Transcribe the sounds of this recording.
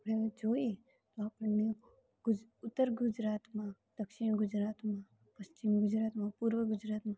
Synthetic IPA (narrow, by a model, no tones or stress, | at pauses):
pɽed͡ʒoe | t̪oapəɳne | ɡʊt̪ːəɾɡʊd͡ʒɾat̪mã | d̪̥əkʃɪɽ̃ɡʊd͡ʒɾaːt̪mã | pəst͡ʃɪmɡʊd͡ʒɾaːt̪mãpuɾʋəɡʊd͡ʒɾat̪mã